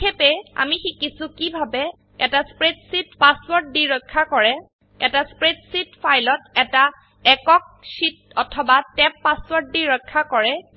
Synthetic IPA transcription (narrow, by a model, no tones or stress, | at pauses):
epɛa̰mixikisʊkibʱabɛ | ɛtaspɹetsitpaswɔɹt̚diɹɔjkʰːakɔɹɛ | ɛtaspɹetsitfʰajlɔtɛta | ɛkɔk̚sit̚ | ɔtʰɔbatɛpːaswɔɹt̚diɹɔjkʰːakɔɹɛ